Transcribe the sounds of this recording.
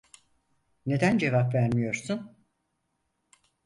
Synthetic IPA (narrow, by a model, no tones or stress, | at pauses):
ne̞d̪ænd͡ʒe̞vapvæɾmijo̞ɾsun